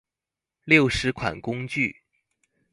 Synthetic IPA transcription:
ljo˥˩ʊʂɻ̩˧˥kʰwa̰˨˩nkʊ˥ŋt͡ɕy˥˩

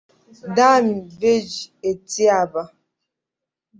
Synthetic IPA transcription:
da˦mi˨ve˦d͡ʒe˨ti˦a˨ba˦

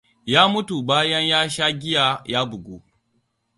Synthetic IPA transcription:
jaː˦mʊ˦tu˨baː˦jɐ˦ɲjaː˦ʃa˦ɡʲɪ˦jaː˨jaː˦bʊ˨ɡʷṵ˦

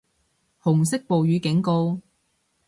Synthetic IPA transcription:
hʊ˨˩ŋsɪ˥k̚po˨wjyː˨˧˥kɪ˨˥ŋko˧w

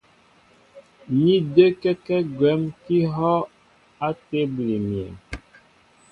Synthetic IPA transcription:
ɲi˦də˦kɛ˦kɛ˦ɡwɛ˨˦mki˦ɦɔ˦ | a˦te˦bli˨mjɛ̰˨

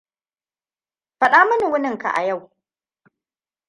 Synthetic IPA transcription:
ɸɐ˨ɗaː˦mɐ˦ni˨wʊ˦nɪ˦ŋka̰˨ʔa̰˨ja˦˨w

